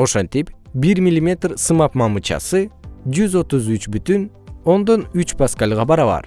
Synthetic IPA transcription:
o̞ʃo̞nt̪ip | biɾmʲilʲimʲe̞t̪rsɯmɑp̚mɑmut͡ʃɑ̰sɯd͡ʒyzo̞t̪uzyt͡ʃbyt̪yn | o̞nd̪o̞nyt͡ʃpaskalʲʁɑbɑɾɑβɑ̰ɾ

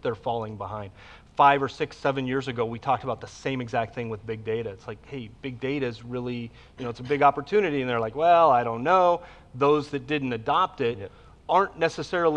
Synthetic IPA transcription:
ðə˞fɔlˠɪ̃ŋbəhãɪ̃nd̥̚ | faɪvə˞sɪksɛvɨ̃njɪɹzɨɡoʊwitʰɔk̚təbaʊt̪̚ðəsẽɪ̃mɨɡzæk̚t̪̚θɪ̃ŋwɨðbɪɡ̚deɪɾɨɨtslaɪkheɪb̥ɪɡ̚deɪɾɨzɹɪlˠi | jɨnoʊətsəbɪɡɑpə˞tʰʉnɨɾiɨ̃nðə˞laɪkwɛlˠaɪɾõʊ̃nːoʊ | ðoʊzðɨt̚d̥ɪdⁿn̩tɨdɑp̚tɪɾ | ɑɹnːɛsɨsɛɹl̩ˠ

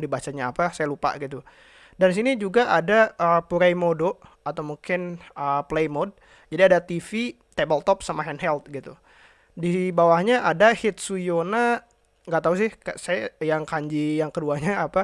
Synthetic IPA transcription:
dibat͡ʃaɲaːpasajalupa̰ɡit̪u | dans̬inid͡ʒuɡaʔadaəpuɾajmodo | at̪awmuŋkɪnəplejmod̚ | d͡ʒadiadat̪ifi | t̪ebəlt̪ɔp̚samaɦɛnɦɛlt̪̚ɡit̪u | dibawahɲaʔadahɪt̪̚sujona | ŋɡaʔt̪aus̬ɪhkasajajaŋkaɲd͡ʒijaŋkəduaɲaːpa

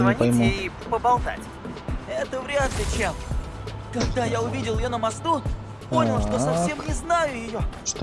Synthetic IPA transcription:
pʲɐjmuipəbɐlˠt̪a̰tʲ | ɛt̪əvɾʲat̪lʲɪt͡ɕem | kɐɡd̪ajaʊvʲidʲɪlˠjonəmɐst̪u | po̞nʲɪlˠʂt̪o̞sɐffsʲe̞mnʲɪznajʊjɪjoʂt̪

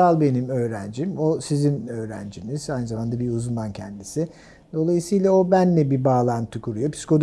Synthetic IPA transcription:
alˠbe̞nimøːɾænd͡ʒimosizinø̞ːɾænd͡ʒiniz̥ajnɯzamand̪abiuzund̪ancʰɛ̰nd̪isi | d̪̥o̞lˠajɯsɯjlˠao̞bænlʲɛbibaːlˠant̪ʰɯkʰuɾujo̞pʰi̥si̥ko̞d̪

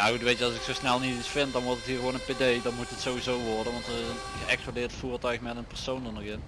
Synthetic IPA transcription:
jaxutʋejtjəɑlˠsɪksowsnɛlˠnititsfɪntdɑnʋɔɹtətɦiːrɣʋownənpedejdɑnmutətsowʋizowʋɔrdənʋɑntərɪzənxəɛkspladɪːrtfuːrtœɥxmɛtənpərsowndɔnɔɣɪn

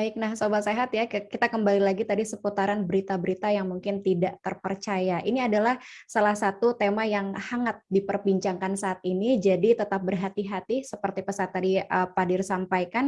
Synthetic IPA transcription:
baɪk̚nahsobaseɦat̪jakit̪akəmbalilaɡit̪adisəput̪aɾanbəɾit̪abəɾit̪ajaŋmuŋkɪnt̪idaʔt̪ərpərt͡ʃajaʔiniadalahsalahsat̪ut̪emajaŋhaŋat̪̚dipərbiɲt͡ʃaŋkansaʔːt̪̚inid͡ʒadit̪ət̪ap̚bərɦat̪iɦat̪isəpərt̪ipəsat̪ːadiəpadɪrsampajkan

